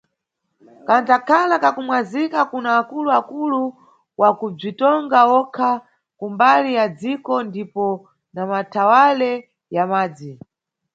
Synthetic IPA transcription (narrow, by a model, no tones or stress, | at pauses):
kanzakʰalakakumwazikakunaːkuluakulu | wakub͡ʐitɔŋɡaɔkʰa | kumbalijad͡zikɔndipɔ | namatʰawalɛ | jamaːd͡zi